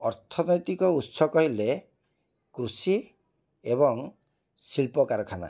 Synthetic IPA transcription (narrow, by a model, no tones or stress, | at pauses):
ɔɾt̪ʰɔnɔjt̪ikɔut̪sɔkɔɦile | kɾusi | ebɔŋ | silpɔkaɾɔkʰana̰